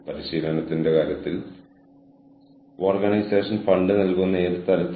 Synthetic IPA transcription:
pɐɾiɕiːlɐnɐt̪ːinde̞kaːɾjɐt̪ːil | oːrɡɐnɐjseːʂɐnfɐɳɖɨnɐlkunːeːɾt̪ːɐlɐt̪ː

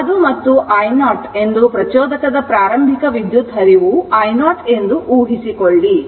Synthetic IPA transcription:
ɐd̪umɐt̪ːuʔɐjnaːʈe̞nd̪upɾɐt͡ʃɔːd̪ɐkɐd̪ɐpɾaːɾɐmbʱikɐʋid̪jut̪ɦɐɾiʋuɐjnaːʈe̞nd̪uʔuːɦisikoɭːi

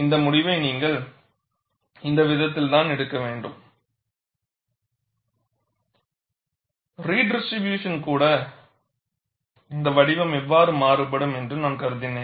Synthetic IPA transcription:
ɪnd̪ɐmʊɽɪʋɐɪniːŋɡɐɭ | ɪnd̪ɐʋɪðɐt̪ːɪlt̪aːnɛɽɯkːɐʋeːɳɖɯm | ɾiːɖɪsʈɾɪbjuːʂɐnkuːɽɐ | ɪnd̪ɐʋɐɽɪʋɐmɛʋːaːɾɯmaːɾɯp̬ːɐɽɯmɛndrɯnaːnkɐɾɯðɪnːẽː

